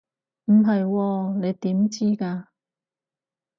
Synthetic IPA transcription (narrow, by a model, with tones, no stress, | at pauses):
m̩˨˩ɦɐ˨jwɔː˧ne˨˧jt̪iː˨˥mt͡siː˥kaː˧